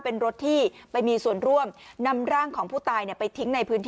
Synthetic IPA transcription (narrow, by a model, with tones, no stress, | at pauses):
pe˧nɾo˦˥t̪ʰːiː˥˩pa˧jmiː˧su˨˩ənɾu˥˩əmna˧mɾaː˥˩ŋkʰɔː˩˦ŋpʰuː˥˩t̪aː˧jni˥˩əpa˧jt̪ʰi˦˥ŋna˧jpʰɯ˦˥nt̪ʰ